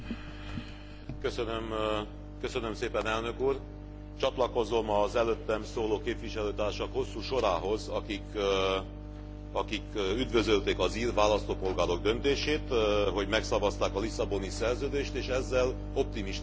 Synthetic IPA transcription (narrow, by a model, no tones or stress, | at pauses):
køsønøm | kø̞sønø̞mseːpɛnɛlnø̞kuːr | t͡ʃɒt̪lɒko̞zo̞mɒzɛløt̪ːɛmsoːloːkeːpʋiʃɛløːt̪aːrʃɒkho̞sːuːʃo̞ɾaːɦo̞zɒkik | ɒkikyd̪vø̞zølt̪eːkɒziːrʋaːlɒst̪oːpo̞lɡaːɾo̞ɡ̚d̪ø̞nt̪eːʃeːt̪ɦo̞ɟmɛksɒvɒst̪aːkɒlisɒbo̞nisɛrzøːd̪eːʃt̪eːʃɛzːɛl | o̞p̚t̪imiʃ